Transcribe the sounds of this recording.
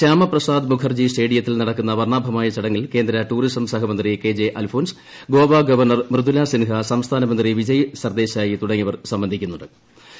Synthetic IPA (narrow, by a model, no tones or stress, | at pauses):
ɕaːmɐprɐsaːd̪mukʰɐrd͡ʑisʈe̞ːɽijɐt̪ːilnɐɽɐkːunːɐʋɐrɳaːbʱɐmaːjɐt͡ɕɐɽɐŋːilke̞ːnd̪ɾɐʈuːɾisɐmsɐɦɐmɐnd̪rike̞ːd͡ʑeʔɐlfʰoːns | ɡoːʋaɡɐʋɐrɳɐrmɾɨd̪ulasinɦɐsɐmst̪ʰaːnɐmɐnd̪riʋid͡ʑɐjsɐrd̪e̞ːɕaːjit̪uɽɐŋːiʋɐrsɐmbɐnd̪ʱikʲːunːuɳɖɨ